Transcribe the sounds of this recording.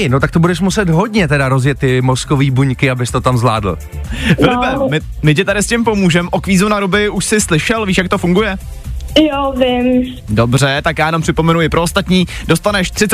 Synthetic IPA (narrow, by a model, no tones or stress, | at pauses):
no̞t̪ak̚t̪obudɛʃmusɛt̪ɦo̞dɲɛt̪ɛdaɾozjɛt̪ːɪmo̞skoviːbuɲkɪabɪst̪o̞t̪amzla̰ːdl̩ | ɪlpɛmɪ | mɪcɛt̪aɾɪscɪmpo̞muːʒɛmʔokviːzunaɾobɪuʃsɪslɪʃɛlviːʃjakt̪o̞fuŋɡujɛ | jovɪm | do̞br̝ɛt̪akjaːjɛnompr̥ɪpo̞mɛnuɪpɾo̞ost̪at̪ɲiːdo̞st̪anɛʃt̪r̥ɪt͡s